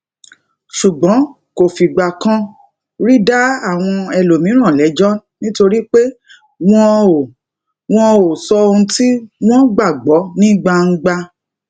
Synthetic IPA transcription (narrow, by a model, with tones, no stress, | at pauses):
ʃu˨ɡ͡bɔ̃˨˦ | ko˨fi˨ɡ͡ba˨kã˦ | ɾi˦da˦a˦˨w̃ɔ̃˧ɛ˧lo˨mĩ˨˦ɾ̃ã˦˨lɛ˨˦d͡ʒɔ˦nĩ˦to˧ɾi˦k͡pe˦ | w̃ɔ̃˦˨ | w̃ɔ̃˧o˨sɔ˧o˧ũ˧ti˦w̃ɔ̃˦ɡ͡ba˦˨ɡ͡bɔ˨˦nĩ˦ɡ͡ba˧ŋ̩˦ɡ͡ba˧